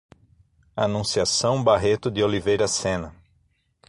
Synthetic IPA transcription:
anũsiasɐ̃w̃baɦet̪ʊd̪ɪolivejɾɐsẽnɐ

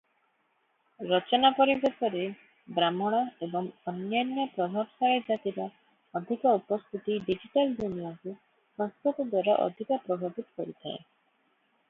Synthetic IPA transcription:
ɾɔt͡ʃɔnapɔɾibesɔɾe | bɾamɔɽ̃aebɔŋɔnjanjɔpɾɔb̪ʱɔɾsaɭed͡ʒat̪iɾɔ | ɔd̪ʱikɔupɔst̪ʰit̪iɖid͡ʒiʈalɖ̪unjaŋku | sɔŋst̪ut̪ɔd̪waɾaʔɔ̰d̪ʱikɔpɾɔbʱabit̪ɔ̥kɔɾit̪ʰaḛ

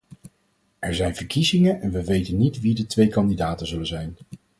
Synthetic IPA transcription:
ɛɹzɛjnv̥əɹkizɪŋənʔɛnʋəʋejtənːitʋidətʋejkɑndidaːtəzɵlənzɛjn

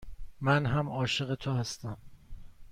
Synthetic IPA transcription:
mænɦæmɒːʃe̞ɣe̞t̪ʰohæst̪æm

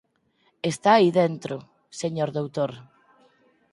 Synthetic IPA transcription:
est̪aːiðent̪ɾʊ | seɲoɾðowt̪oɾ

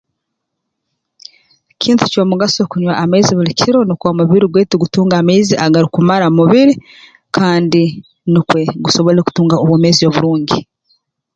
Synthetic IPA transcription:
cʰiːnti̥coːmuɡasokuɲwaʔameziβulicʰiɾo̞nikwamuβiɾiɡweːtiɡutuːŋɡameːziʔaɡaɾikumaɾamuβiɾi | kʰaːndi | nikwe̞ɡuso̞βo̞ɾeɾeku̥tuːŋɡaoβwoːmeːzijoβuɾuːɲɟi

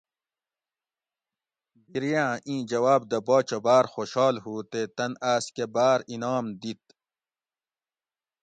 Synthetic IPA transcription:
biɾijãːʔĩːd͡ʑɐwaːb̚d̪ɐboːt͡ɕɐbaːɾxoːɕhɑːlɦuːt̪et̪ɐnaːskebaːɾinaːmd̪it̪̚

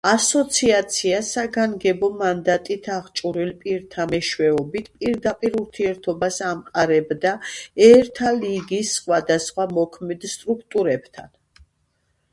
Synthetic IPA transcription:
asɔt̪sʰiat̪sʰiasaɡaŋɡɛbɔmand̪at̪ʼit̪ʰaʁt͡ʃʼuɾilpʼiɾt̪ʰamɛʃwɛɔbit̪ʰpʼiɾd̪apʼiɾuɾt̪ʰiɛɾt̪ʰɔbasamqʼaɾɛbd̪aɛɾt̪ʰaliɡisːχwad̪asχwamɔkʰmɛd̪st̪ʼɾukʰt̪ʼuɾɛb̥t̪ʰa̰n

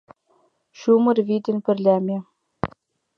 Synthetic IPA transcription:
ɕumɤ̆rvid̪ʲɘ̆nʲpɘ̆rlʲæmʲe

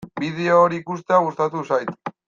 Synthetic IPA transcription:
bið̞e̞oːɾiːkust̪eaɣust̪at̪usajt̪

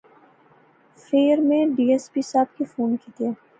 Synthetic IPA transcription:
feːɾmẽɖiːespiːsaːb̚kifuːnkit̪ieː

